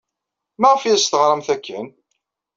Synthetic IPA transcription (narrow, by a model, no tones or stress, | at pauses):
mæʁfijst̪əʁɾˤəmθækːən